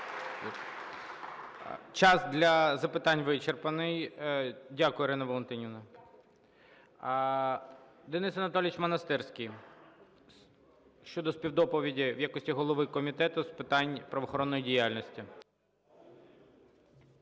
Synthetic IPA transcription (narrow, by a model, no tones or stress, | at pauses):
t͡ʃɑsd̪lʲɐzɐpɪt̪ɑnʲʋɪt͡ʃerpɐnɪj | dʲakʊjɛɾɪnɐʋɔlˠɔnt̪ɪnʲiʋnɐ | d̪enɪsɐnɐt̪ɔlʲʋʲɪt͡ʃmɐnɐst̪ɛrsʲkʲij | ʃt͡ʃɔd̪ɔspʲiwd̪ɔpɔʋʲidʲiwjakɔsʲtʲiɦɔlˠɔʋɪkɔmʲit̪ɛt̪ʊspɪt̪ɑnʲpɾɐʋɔxɔɾɔnːɔjidʲijalʲnɔsʲtʲi